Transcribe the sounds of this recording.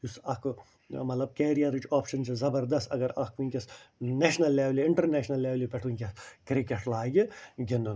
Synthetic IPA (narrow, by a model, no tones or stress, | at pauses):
jusɐk | mɐt̪lɐb̚keːɾijɐɾit͡ʃaːpʃɐnt͡ʃizɐbɐɾd̪ɐst̪ɐ̰ɡɐɾɐkʰunʲkʲɐsneːʃnɐlːeːʋliiɳʈɐɾneːʃnɐlːeːʋlipɛʈʰunʲkʲɐskɾikeʈlaːɡʲiɡʲend̪un